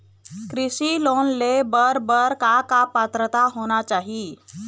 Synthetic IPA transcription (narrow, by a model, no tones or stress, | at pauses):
kɾiɕilonlebəɾbəɾkakapat̪ɾət̪aɦoñat͡ʃaɦi